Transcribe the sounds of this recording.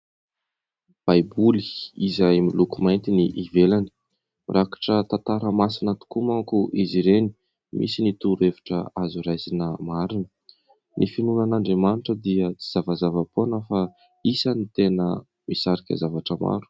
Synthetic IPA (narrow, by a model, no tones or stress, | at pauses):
b̥ajbuliizajmilukumajnt̪iniʔivelani̥ | rʔakḁʈ͡ʂət̪at̪aɾəmasinat̪u̥kumaŋkuʔiziɾeni̥ | mḭsinit̪uɾevi̥ʈ͡ʂə̰azuɾajzinəmaɾinə | nʔifinunanaɳɖ͡ʐemaniʈ͡ʂəd̪iət͡si̥z̥avazavəponəfa | isanit̪enə | misaɾikʲə̰zavaʈ͡ʂəma̰ɾu̥